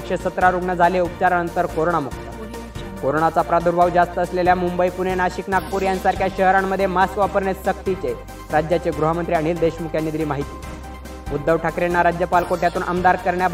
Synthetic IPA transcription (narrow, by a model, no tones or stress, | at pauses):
kʂesət̪ɾaɾuɡɳəd͡zʱaleup̚t͡ɕaɾanənt̪əɾkoɾoɳ̃amukt̪a̰ | koɾoɳat͡sapɾad̪ʱuɾbʱaʋd͡zast̪əːsleljamumbəipunenaɕiknak̚puɾjãnsaɾkʰjaɕəɦɾamːəd̪ʱjemaskʋapəɾɳet̪sək̚t̪it͡se | ɾad͡ʑjat͡ɕeɡɾuɦəmənt̪ɾiaɽ̃iːld̪eɕmukʰjanːid̪ɾiːmaɦit̪i̥ː | ud̪ːəʋʈʰakɾenːaɾad͡ʑjəpalkoʈjat̪uːnʔəmd̪aɾkəɾɳja